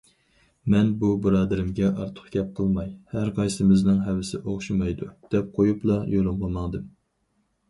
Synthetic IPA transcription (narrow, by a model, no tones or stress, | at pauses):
mɛnbubɨɾɑːd̪ɨɾɪmɡʲɛʔɑɾt̪ʰə̥χɡʲɛp̚qʰəlˠmɑjhæɾqʰɑjsɪmɪznɨŋɦɛvɪsɪʔoχʃumɑjd̪ud̪̥ɛp̚qʰojuplˠɑjolˠɨmləmɑŋd̪ɨm